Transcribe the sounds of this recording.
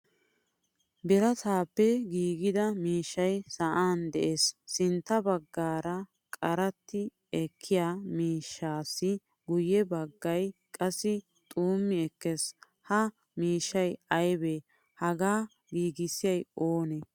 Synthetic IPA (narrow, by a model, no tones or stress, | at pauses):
bɪɾɐsaːpːɛɡiːɡɪd̪ɐmiːʃːɐjsɐʔaːnd̪ɛʔesːɪnt̪ːɐbɐɡːaːɾɐ | kʼɐɾɐt̪ːɪ | ɛkʰːɪjaːmiːʃːaːsːɪ | ɡʊjːɛbɐɡːɐjkʼɐsːɪ | t̪ʼuːmːɪɛkːɛs | hɐ | miːʃːɐjɐjbe | hɐɡaː | ɡiːɡɪsɪjɐjoːnɛ